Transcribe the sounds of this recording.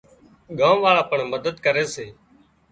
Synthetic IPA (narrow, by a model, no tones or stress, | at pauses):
ɠãːmʋaːɭaːpəɳməd̪əd̪kəɾeːseː